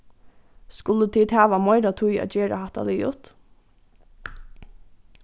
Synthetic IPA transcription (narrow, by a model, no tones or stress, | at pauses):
skʊlət̪ʰiːd̪hæːʋamɔɪɾat̪ʰʊja̰ːt͡ʃeːɾa̰hɑt̪a̰liːʊt̪